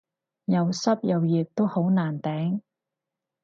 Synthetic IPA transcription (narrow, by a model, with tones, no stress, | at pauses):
jɐ˨wsɐ˥p̚jɐ˨˧wjiː˨k̚t̪o˥who˨˥wnaː˨˩nt̪ɛː˨˥ŋ